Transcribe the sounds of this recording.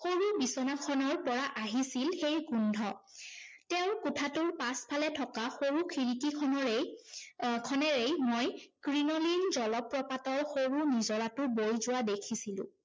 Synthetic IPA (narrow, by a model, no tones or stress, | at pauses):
xoɹubisɔnakʰɔnɔɹpɔɹaʔaɦisilxejkundʱɔ | tɛʊ̃kʊtʰatʊɹpaspʰalɛtʰɔkaxoɹukʰiɹikikʰɔɔe | kʰɔnɛɹejmojkɹinɔlinzɔlɔpɹɔpatɔɹxoɹunizɔlatʊbojzʊwadekʰisilʊ̰̃